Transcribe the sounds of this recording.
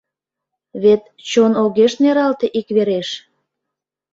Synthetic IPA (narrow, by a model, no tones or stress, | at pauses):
βet̪ | t͡ɕonoɣeʃneɾɑlt̪eʔikβeɾeʃ